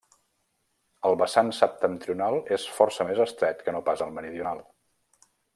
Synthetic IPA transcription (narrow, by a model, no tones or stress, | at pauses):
əlˠβəsansəp̚t̪ənt̪ɾiunalˠesfɔrsəmezəst̪ɾɛt̪kənopazəlˠməɾiðiunalˠ